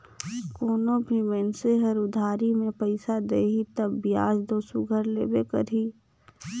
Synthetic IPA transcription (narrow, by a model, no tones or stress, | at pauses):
koːnobʱiʋɛːnseɦəɾʊd̪ʱaːɾimẽpəɪsad̪eːɦit̪əbːija̰ːd͡ʒd̪oːsʊɡʱəɾlḛːbekə̰ɾiː